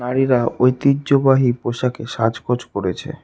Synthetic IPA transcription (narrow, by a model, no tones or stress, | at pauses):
naɾiɾaʔojt̪iːʑobaɦipoʃakeʃad͡ʑkʰod͡ʑkoɾet͡ɕʰḛ